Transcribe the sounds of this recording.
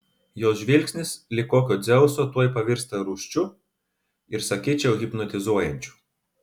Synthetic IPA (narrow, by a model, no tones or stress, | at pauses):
joːsʒʲʋʲɪlʲksʲnʲɪslʲɪkoːkʲoːd̪zʲɛʊsoːt̪uɔjpɐʋʲɪɾʲˑst̪ɐɾuːʃʲt͡ʃʲʊ | ɪɾsɐkʲiːt͡ʃʲɛʊɣʲɪpnɔt̪ʲɪzuɔjɛnʲt͡ʃʲu̥